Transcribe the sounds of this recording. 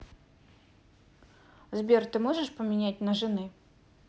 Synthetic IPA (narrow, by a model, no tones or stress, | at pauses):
zbʲert̪ɨmoʐɨʂpəmʲɪnʲæt̚ʲnəʐɨnɨ